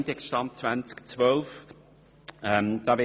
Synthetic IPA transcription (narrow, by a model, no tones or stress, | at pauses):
ntɛkʃtɑmt͡svænt͡skt͡svœlf | ɛmd̥̪ɑːvɛ